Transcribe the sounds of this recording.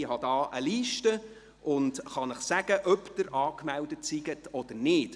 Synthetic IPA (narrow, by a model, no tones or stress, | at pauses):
ɪhɑd̥ɑːʔəliːʃtə | ʔʊndχɑnəχsæɡ̥əʔœpd̥əɾʔɑːkmældətsiɡətɔd̥əɾnɪːt